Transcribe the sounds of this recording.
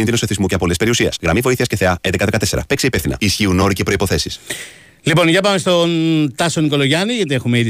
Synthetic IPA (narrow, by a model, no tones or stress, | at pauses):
ninoseθizmuceɐpoo̞lespe̞ɾiusiɐ̰sɣɾɐmivo̞iθiɐsceθe̞ɐend̪ekɐðekɐt̪e̞se̞ɾɐ̰pe̞kseipefθinɐ̰isçiuno̞ɾice̞pɾoipoθe̞sis | lipo̞nʝɐpɐmest̪o̞nt̪ɐsoniko̞loʝɐniʝɐt̪iexumeið